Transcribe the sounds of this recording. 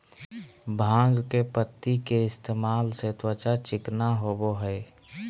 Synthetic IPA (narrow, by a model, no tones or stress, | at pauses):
bʱãːŋɡkepət̪ːikeɪst̪ʰeːmaːlset̪wət͡ʃat͡ʃɪknaɦoboɦɛː